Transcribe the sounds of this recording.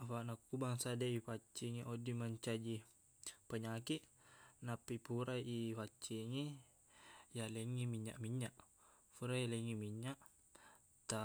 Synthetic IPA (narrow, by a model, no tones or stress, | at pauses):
afaʔnakːubaŋsadaipat͡ʃːiŋeʔodimaɲt͡ʃad͡ʒi | paɲakiʔnapːipuɾaʔipat͡ʃːiŋe | jaleŋːimiɲːa̰ʔmiɲːaʔ | puɾajaleŋimiɲːaʔ | t̪a